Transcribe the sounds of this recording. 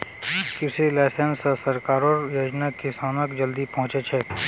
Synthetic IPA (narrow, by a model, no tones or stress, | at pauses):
kɪselɛːsənsasɐɾkaːɾɔːɾjoːd͡ʒnakɪsaːnəkd͡ʒəld̪ipɐ̃ɦʊ̃t͡ʃet͡ʃʰɛː